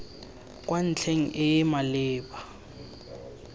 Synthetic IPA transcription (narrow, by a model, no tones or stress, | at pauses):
k̬ʼwʔan̩t͡ɬʰeŋ̩ʔɪjɛmalɪːɓa